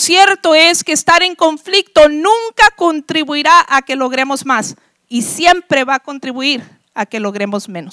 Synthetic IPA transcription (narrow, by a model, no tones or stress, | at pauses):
sje̞ɾt̪o̞eskeːst̪aɾe̞ŋko̞ɱflik̚t̪o̞nũŋkakont̪ɾiβuiɾaʔake̞lo̞ɣ̞ɾe̞mo̞zmas | isje̞mpɾe̞βako̞nt̪ɾiβuiɾ | ake̞lo̞ɣɾe̞mozmẽ̞nos